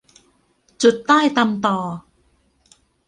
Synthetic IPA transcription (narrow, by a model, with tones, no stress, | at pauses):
t͡ɕu˨˩t̪̚ːaː˥˩jt̪a˧mt̪ɔː˨˩